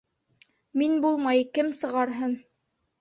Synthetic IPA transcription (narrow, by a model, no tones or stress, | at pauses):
minbulˠmɑjkɘmsɤ̆ʁɑɾɦɤn